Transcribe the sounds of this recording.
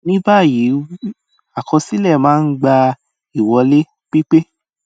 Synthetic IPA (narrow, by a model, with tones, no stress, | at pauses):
nĩ˦ba˦˨ji˨˦ | a˦˨kʰɔ̃˧si˦lɛ˦˨mãː˦n̩˦ɡ͡ba˧ | i˦˨wɔ˨˧le˦ | k͡pi˦k͡pe˦